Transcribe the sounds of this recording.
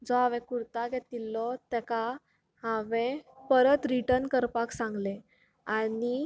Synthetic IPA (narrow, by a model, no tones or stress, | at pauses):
d͡zɔɦaʋɛ̃kuɾt̪aɡet̪ilːɔt̪ɛka | haʋɛ̃pəɾət̪ɾiʈəɾnkəɾpaksãŋɡle | ani